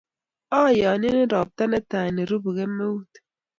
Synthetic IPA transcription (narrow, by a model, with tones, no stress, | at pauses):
ɔ˦˨jɔː˨n˦i˦ne˦ɾɔ˨p̚ta˦na˦ta˨ne˨ɾu˦bu˨ɣe˦mːe˦wu˦t